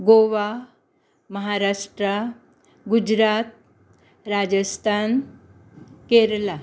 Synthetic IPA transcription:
ɡoʋa | məɦaɾaʂʈɾa | ɡud͡ʑɾat̪̚ | ɾad͡ʑəst̪ʰan | keɾla

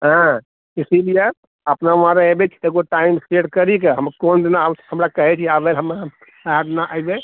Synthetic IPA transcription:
ɦã | isilije | əpnaʋãɾeebet͡ʃʰi̥eɡoʈaimseɽkəɾikeɦəmkond̪inaawt͡ʃʰhəmɾakəɦɛt͡ʃʰiabelɦəma | aɖnaʔajbe

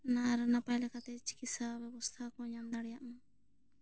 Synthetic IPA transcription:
naɾɨnapajlakat̪et͡ʃi̥kisaβɛβost̪ʰakoɲãnd̪aɽjaʔmu

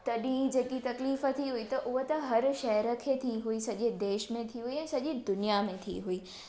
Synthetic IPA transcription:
t̪ɐɗĩd͡ʑeːkit̪ɐkliːfə̆t̪ʰiɦuit̪ɐʔʊɦot̪ɐɦɐɾʃɐɦɾə̆kʰeːt̪ʰiɦuisɐʄed̪eːʃmẽt̪ʰiɦuiɛ̃ːsɐʄid̪ʊnijamẽt̪ʰḭɦuiː

